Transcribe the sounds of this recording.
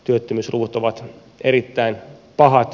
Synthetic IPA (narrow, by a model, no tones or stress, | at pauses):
t̪yøt̪ːømysruːut̪oʋɑt̪ | erit̪ːæinpɑhɑt̪